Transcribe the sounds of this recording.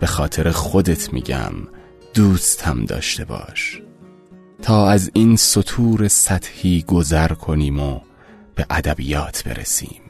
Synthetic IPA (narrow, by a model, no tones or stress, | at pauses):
b̥e̞xɒːt̪ʰe̞ɾexo̞d̪e̞t̪ʰmḭːɟæ̰m | d̪̥uːst̪ʰæmd̪ɒ̰ːʃt̪ʰe̞bɒ̰ːʃ | t̪ʰɒːæzinso̞t̪ʰuːɾe̞sæt̪hiːɡo̞zæɾkʰo̞niːmo | b̥e̞ʔæd̪æbiːjɒːt̪ʰbe̞̰ɾḛsḭːm